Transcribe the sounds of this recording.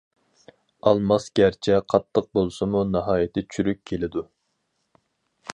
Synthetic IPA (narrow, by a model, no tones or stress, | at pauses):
ɑlˠmɑsɡʲæɾt͡ʃʰɛqʰɑt̪ʰːəq̚bolˠsɨmunɑɦɑːjɪt̪ʰɪt͡ʃʰyɾykʲkʲʰːelɪd̪u